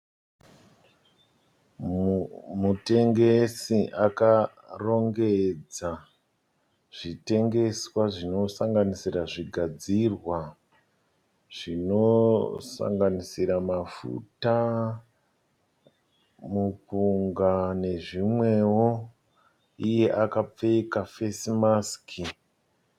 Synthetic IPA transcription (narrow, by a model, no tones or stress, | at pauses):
mute̞ŋɡe̞siʔaka | ro̞ŋɡe̞d͡za | ʐ̥ite̞ŋɡe̞swaʐino̞saŋɡanisiraʐiɡʱad͡zirwa | ʐ̥ino̞sa̰ŋɡanisiɾamafṵta | mupuŋɡane̞ʐimwe̞wo | ije̞ʔakap͡fekafesimaskʰi